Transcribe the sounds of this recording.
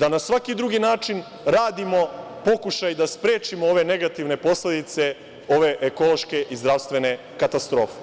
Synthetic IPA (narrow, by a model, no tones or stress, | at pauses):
d̪anasʋakid̪ɾuɡinaːt͡ʃin | ɾaːd̪imo̞po̞kuʃajd̪aspɾeːt͡ʃimooʋe̞ne̞ɡat̪iʋne̞po̞sle̞d̪it̪se̞ | o̞ʋe̞ʔeko̞lˠo̞ʃke̞ʔizd̪ɾaʋst̪ʋe̞ne̞ | kat̪ast̪ɾo̞ːfe̥